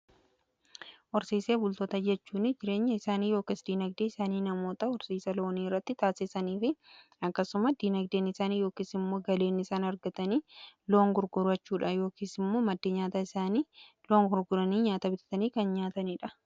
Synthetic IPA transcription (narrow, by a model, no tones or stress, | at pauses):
ʔɔɾsiːse̞ːbʊlt̪oːt̪ɐd͡ʒɛt͡ʃːuːnɪd͡ʒɪɾe̞ːɲːɐɪsaːniːjoːkiːsd̪iːnɐɡd̪eːɪsaːniːnɐmo̞ːt̪ɐɔɾsiːsɐlo̞ːniːrːɐt̪ːɪt̪aːsɪsɐniːfɪ | ɐkːɐsʊmɐsd̪iːnɐɡd̪eːnɪsaːniːjo̞ːkiːsɪmːo̞ːɡɐle̞ːnɪsaːnɐɾɡɐt̪ɐniːlo̞ːŋɡʊɾɡʊɾɐt͡ʃːuːᶑɐjo̞ːkiːsɪmːoːmɐd̪ːeːɲaːt̪ɐɪsaːniː | loːŋɡʊɾɡʊɾɐniːɲaːt̪ɐbɪt̪ɐ̥t̪ɐniːkɐnɲaːt̪ɐniːᶑɐ